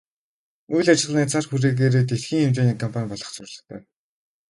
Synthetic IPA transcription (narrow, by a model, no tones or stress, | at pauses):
ujɮat͡ɕɪ̆ɮniːt͡sʰarxuɾeːɣeːɾeːt̪etxiːŋxemt͡ɕeːniːkʰɔmpʰanʲpɔɮɞ̆χt͡sʊɾʲɮɞ̆χt̪ʰœː